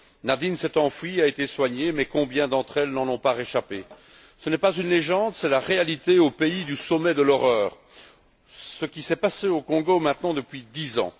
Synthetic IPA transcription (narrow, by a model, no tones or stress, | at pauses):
nad̪insɛt̪ɑ̃fɥiaet̪eswaɲemɛkɔ̃bjɛ̃d̪ɑ̃t̪χɛlnɑ̃nɔ̃paʁeʃape | sənɛpazynleʒɑ̃d̪sɛlaʁealit̪eopeid̪ysɔmɛd̪əlɔʁœːʁ | səkʲisɛpaseokɔ̃ɡomɛ̃t̪nɑ̃d̪əpɥid̪izɑ̰̃